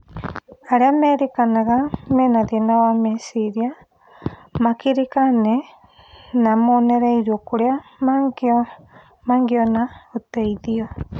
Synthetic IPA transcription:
aɾeameɾikanaɣamenaðienawamesiɾia | makiɾikane | namoneɾaiɾuokuɾeamaɡo | maŋɡionaot̪eiðio

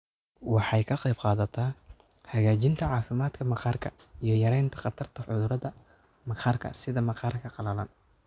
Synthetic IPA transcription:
wɑħɑjkʰɐqɑjbqɑːðɐt̪ʰaː | hɐɣaːt͡ʃɪnt̪ʰɐʕɑːfɪmaːd̪kʰɐmɑqʰɑːrkʰɐ̰ | ijɞjɐɾɛjnt̪ʰɐ̥qɑt̪ʰɐrt̪ʰɐħʊðʊɾɐðɐ | mɑqʰɑːrkʰɐ̰sɪðɐmɐqʰɑːrkʰɐqɑlɐlɐ̰n

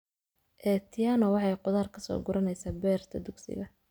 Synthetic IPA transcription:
ʔɛːt̪ʰɪjaːnɔwɑħɑjqʊðaːrkʰɐsɔ̰ːɡʊɾɐnɛjsaːbɛːrt̪ʰɐd̪ʊɡsɪ̰ɣɐ

